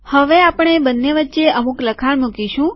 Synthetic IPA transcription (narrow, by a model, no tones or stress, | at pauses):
həʋeapəɳ̃ebənːeʋətːʃeʔəmukləkʰalmukiʃũ